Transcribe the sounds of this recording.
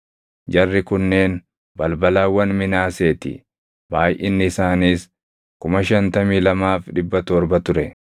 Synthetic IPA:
d͡ʒɐrːɪkʊnːe̞ːn | bɐlbɐlaːwːɐnmɪnaːse̞ːt̪ɪ̰ | baːjʔɪnːɪːsaːniːs | kʊmɐʃɐnt̪ɐmiːlɐmaːfᶑɪbːɐt̪ɔɾbɐt̪ʊɾɛ

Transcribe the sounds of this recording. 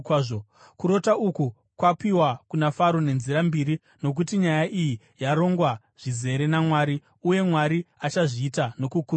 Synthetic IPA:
o | kuɾo̞tauku | kwapiwakunafaɾone̞nziɾambiɾi | no̞k̬utiɲajaʔiji | jaɾo̞ŋɡwa | ʐ̥ize̞ɾe̞namwaːɾi | uje̞mwaɾiat͡ʃaʐiːtano̞kuku

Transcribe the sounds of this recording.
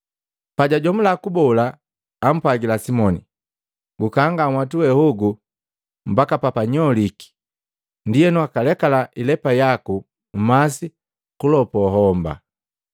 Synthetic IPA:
paɟaɟɔmulakubɔla | am̩pwaɡilasimɔnḭ | ɡukaŋɡaŋwatuwɛhuɡu | m̩bakapapaɲɔliki̥ | ndijɛnuakalɛkalaʔilɛpajaku | m̩masi | kulɔpɔɦɔmba̰

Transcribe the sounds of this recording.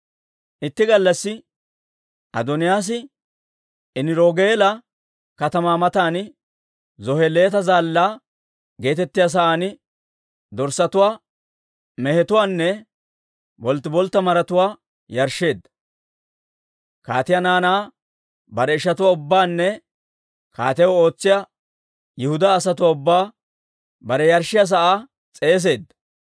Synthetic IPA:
ʔɪt̪ːɪɡɐlːɐsːɪ | ʔɐ̰d̪ɔnɪjaːs̬ɪ | ɪnɪɾoːɡeːlɐ | kɐt̪ɐmaːmɐt̪aːn | zɔhɛleːt̪ɐzaːlːaː | ɡe̞ːt̪ɛt̪ːɪjaːs̬ɐʔaːn | d̪ɔɾsɐt̪ʊwaː | mɛhɛt̪ʊwaːnːɛ | bɔlt̪ːɪbɔlt̪ːɐmɐɾɐt̪ʊwaː | jɐɾʃːe̞ːd̪ːɐ̥ | ka̰ːt̪ɪjɐnaːnaː | bɐɾɛɪʃɐt̪ʊwaʊbːaːnːɛ | ka̰ːt̪ɛwɔo̞ːt͡sːɪja | jɪhʊd̪aːsɐt̪ʊwaːʊbːaː | bɐɾɛjɐɾʃːɪjas̬ɐʔaː | t͡sʼe̞ːs̬e̞ːd̪ːɐ̥

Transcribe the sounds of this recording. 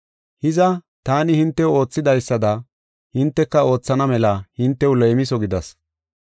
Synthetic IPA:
hɪzɐ | t̪aːnɪhɪnt̪ːɛwo̞ːt͡sːɪd̪ɐjsːɐd̪ɐ | hɪnt̪ːɛkːɐo̞ːt͡sːɐnɐmɛlɐhɪnt̪ːɛwlejmɪsɔɡɪd̪ɐs

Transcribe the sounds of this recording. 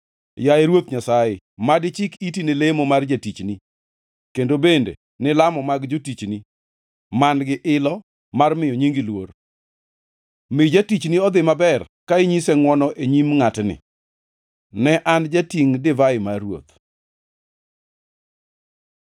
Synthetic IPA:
jaeɾwot̪ɲasajɪ | madɪt͡ʃɪkitinelemomard͡ʒatit͡ʃni | kendobendḛ | nɪlamɔmaɡd͡ʒotit͡ʃni | manɡɪʔɪlɔ | marmɪjɔɲiŋɡilwor | mɪd͡ʒatit͡ʃniɔd̪ɪmabɛr | kaeɲisɛŋwɔnɔʔeɲimŋatnɪ̰ | nɛʔand͡ʒatiŋdɪvaɪmawo̰t̪

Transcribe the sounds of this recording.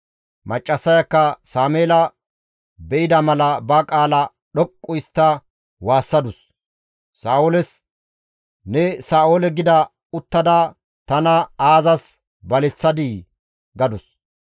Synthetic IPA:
mɐt͡ʃʼːɐsːɐjɐkːɐsaːmeːlɐ | bɛʔɪd̪ɐmɐlɐbɐkʼaːlɐ | ɗɔkʼːʊɪst̪ːɐ | waːsːɐd̪ʊsː | aːʔoːlɛs | nɛsaːʔoːlɛɡɪd̪ɐ | ʊt̪ːɐd̪a | t̪ɐnɐaːzɐs | bɐlɛt͡sːɐd̪i | ɡɐd̪ʊs

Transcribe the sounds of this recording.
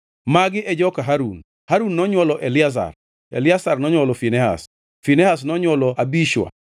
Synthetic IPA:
maɡɪʔɛd͡ʒɔkaɦaɾun | haɾunːɔɲwɔlɔʔelɪas̬a̰r | ḛlɪasarnɔɲwɔlɔfinɛɦa̰s | finɛhas̬nɔɲwɔlɔabiʃwa̰

